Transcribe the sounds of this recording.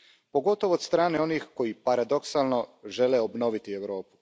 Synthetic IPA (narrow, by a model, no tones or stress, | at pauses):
po̞ɡo̞t̪o̞ʋoːd̪st̪ɾaːneo̞nixko̞jipaɾad̪o̞ksalno̞ʒe̞leobno̞ʋit̪ieʋɾo̞ːpu̥